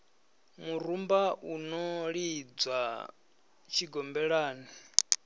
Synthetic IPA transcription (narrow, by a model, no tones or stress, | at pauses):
muɾumbaunɔɺid͡za | t͡ʃʰiɡɔmbɛɺaːni